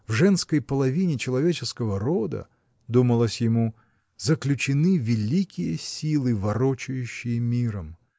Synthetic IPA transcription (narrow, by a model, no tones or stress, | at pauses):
vʐɛnskəjpəlˠɐvʲinʲɪt͡ɕɪlˠɐvʲet͡ɕɪskəvəɾo̞d̪ə̰ | d̪uməlˠəsʲjɪmu | zəklʲʉt͡ɕɪnɨvʲɪlʲikʲɪjəsʲilˠɨvɐɾot͡ɕʊjʉɕːɪjəmʲiɾəm